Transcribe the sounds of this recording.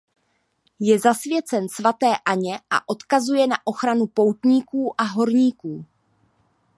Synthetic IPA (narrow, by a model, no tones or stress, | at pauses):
jɛzasvjɛt͡sɛnsvat̪ɛːʔaɲɛʔa̰ʔo̞t̪kazujɛnaʔo̞xɾanupo̞wt̪ɲiːkuːʔaɦo̞ɾɲiːkuː